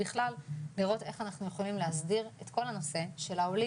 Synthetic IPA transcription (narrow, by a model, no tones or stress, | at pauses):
biχlalːiʁo̞t̪e̞χanaχnuje̞χo̞limleɦazdiʁet̪ko̞lano̞se̞ʃe̞laoli